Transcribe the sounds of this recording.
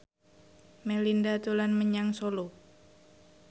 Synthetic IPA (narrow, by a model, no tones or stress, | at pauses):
mɛlindat̪ulanməɲaŋsolo